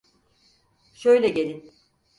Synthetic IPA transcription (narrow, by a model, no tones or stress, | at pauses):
ʃøjlʲɛɟe̞lʲin